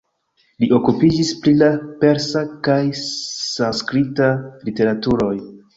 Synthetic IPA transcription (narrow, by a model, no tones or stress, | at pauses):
liʔo̞kupid͡ʒispɾilape̞ɾsakajsanskɾitalite̞ɾatuɾo̞j